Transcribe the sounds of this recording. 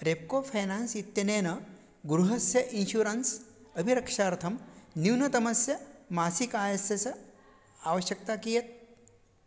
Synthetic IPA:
ɾeːp̚koːpʰɐjnaːnsit̪ːjɐneːnɐ | ɡɾuɦɐsjɐʔinʃuːɾɐnsɐbʱiɾɐkʂaːɾt̪ʰɐmniwnɐt̪ɐmɐsjɐmaːsikaːjɐsjɐsɐ | aːʋɐʃjɐk̚t̪aːkijɐt̪̚

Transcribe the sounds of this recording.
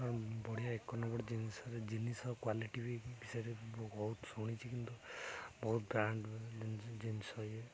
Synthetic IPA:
aɾbɔɽ̤ijaekːɔnɔbɔɽed͡ʒinisɔɾed͡ʒinisɔkwaliʈibibisaɾibbɔɦut̪sɔɽ̃it͡ʃʰikint̪ubɔɦut̪̚bɾaɳɖ | d͡ʒinisɔje

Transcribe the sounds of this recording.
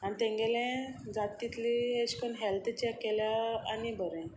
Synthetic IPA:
anit̪ẽŋɡelɛ̃d͡zat̪it̪lieɕkənɦɛlt̪ʰt͡ɕakeljaanibʱəɾɛ̃

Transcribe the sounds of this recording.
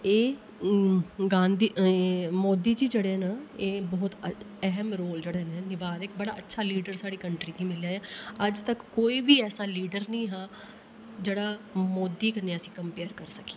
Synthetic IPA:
eː | ɡãːnd̪iːmoːd̪iːd͡ʒiːd͡ʒeːɽeːnaeːbɔːt̪ | ɛɦmɾoːld͡ʒeːɽeːnɛ̃ːnɪʋaːnek̚bəɽa̰ːətːʃʰaːliːɖəɾsaːɽiːkəɳʈɾiːkiːmɪljaːjaːəd͡ʒt̪əkːoːiːbiːɛːsaːliːɖəɾnəĩːɦãː | d͡ʒeːɽaːmoːd̪iːkəneːəsĩːkəmpeːəɾkəɾsəke̥

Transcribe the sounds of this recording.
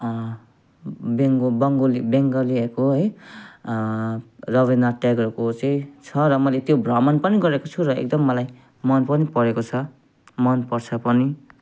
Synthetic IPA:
beŋɡbʌŋɡolibeŋɡʌliʌkoɦʌj | rʌβind̪aʈaɡʌrkot͡sʌĩt͡sʰʌɾʌmʌlet̪jobrʌmʌnpʌniɡʌɾekot͡sʰuɾʌḛk̚d̪ʌmːʌlaj | mʌnpʌnipʌɾekot͡sʰʌ | mʌnpʌrt͡sʰʌpʌni

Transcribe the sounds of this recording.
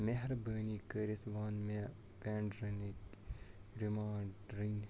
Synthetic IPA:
meɦɾbəːnikəɾit̪ʰʋaːnme | peːɳɖɾɐnit̪ | ɾimaːɳɖɾən

